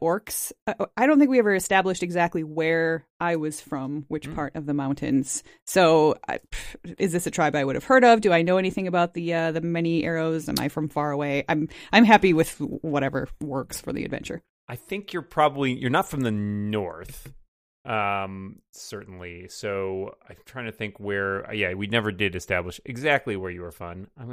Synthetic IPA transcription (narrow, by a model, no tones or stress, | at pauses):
ɔɹksʌaɪɾõʊ̃nθɪ̃ŋkwiɛvə˞ɨstæbləʃtɨɡzæk̚tˡliwə˞ʔaɪwʌz̥fɹʌ̃mwɪt͡ʃpʰɑɹɾʔʌvðəmãʊ̃ntʰɨ̰̃nz̥ | soʊʌ̰ɨzðɪsɨtʰɹ̥aɪbaɪwʊɾɨv̥hɜ˞ɾʌvdɨaɪnoʊɛñiθɪ̃ŋɨbaʊt̪̚ðiʌðɨmɛñiʔɛ̰ɹoʊzɨ̰̃na̰ɪfɹʌ̃ɱfɑɹəweɪʔã̰ɪ̃mʔãɪ̃mɦæpiwɪð̥wʌɾɛvə̰˞wɜ˞ksfə˞ðḭɨ̰dvɛ̰̃nt͡ʃə̰˞ | ʔaɪθɪ̃ŋkʰjə˞pʰɹ̥ɑbəblijə˞nətfɹʌ̃mðɨnɔɹθ | ʔʌ̃msɜ˞ʔn̩lisoʊa̰ɪtʰɹ̥aɪ̃ŋtʰɨθɪ̃ŋkwə˞ʌ̰jæwinɛvə˞dɪɾɨstæbləʃɨɡzæk̚tˡliwə˞jɨə˞fʌ̰̃nãɪ̃m